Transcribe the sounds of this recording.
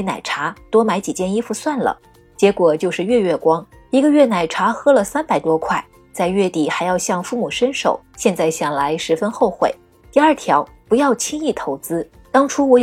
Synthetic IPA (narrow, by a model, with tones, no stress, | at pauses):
na̰˨˩ɪʈ͡ʂʰa˧˥t̪wɔ˥ma˧˥ɪt͡ɕi˨˩t͡ɕjɛ˥˧ni˥fu˧˥˧swa˥˩nlə̰˩ | t͡ɕjɛ˧˥kwɔ˨˩t͡ɕjo˥˧ʊʂɻ̩˥˧ɥɛ˥˧ɥɛ˥˩kwɑ˥ŋ | i˧˥ɡə˧ɥɛ˥˩na˨˩ɪʈ͡ʂʰa˧˥xɤ˥lə˨sa˥npa˨˩ɪt̪wɔ˥kʰwa˥˩ɪ | t͡sa˥˧ɪɥɛ˥˩t̪i˨˩xa˧˥ɪjɑ˥˧ʊɕjɑ˥˧ŋfu˥˩mu˨˩ʂə˥nʂo̰˨˩˦ʊɕjɛ˥˧nt͡sa˥˩ɪɕjɑ˨˩ŋla˧˥ɪʂɻ̩˧˥fə˥nxo˥˧ʊxwḛ˨˩ɪ | t̪i˥˧ɐ˞˥˩t̪ʰjɑ˧˥ʊ | pu˧˥jɑ˥˩ʊt͡ɕʰi˥ŋi˥˩t̪ʰo˧˥ʊt͡sɹ̩˥ | t̪ɑ˥ŋʈ͡ʂʰu˥wɔ˧˥